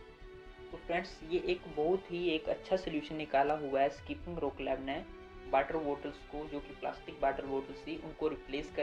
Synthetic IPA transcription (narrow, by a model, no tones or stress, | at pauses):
sʊpɾɛ̃ːʈsjeʔeːkbɔɦʊt̪ɦieːkɐtːʃʰasɔljuːʃənːɪkaːlaɦʊaɦɛskiːpɪ̃ŋɡɾoːklɛːbnɛ̃ | baːʈəɾʋoːʈəlskod͡ʒoːkipla̰ːsʈɪk̚baːʈəɾʋoːʈəlsiʔʊnkoɾɪpleːskɐ